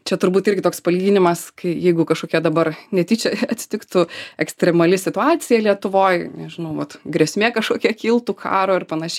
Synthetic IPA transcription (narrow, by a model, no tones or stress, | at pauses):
t͡ʃʲɛt̪ʊɾbuːt̪ɪɾʲɡʲɪt̪oːkspɐlʲiːɡʲinʲɪmɐskɐɪjɛɪɡʊkɐʃkoːkʲɛd̪ɐbɐrnʲɛt̪ʲiːt͡ʃʲɛɐt̪ʲsʲɪ̥t̪ʲɪkt̪ʊɛksʲt̪ʲɾʲɛmɐlʲɪsʲɪt̪ʊɑːt̪sʲɪjɛlʲiɛt̪ʊʋoːjnʲɛʒʲɪnɐʊʋɐt̪ɡɾʲɛsʲmʲeːkɐʃkoːkʲiɛkʲilˠt̪ukʰɑ̰ːɾoːɪrpɐnɐʃʲɛ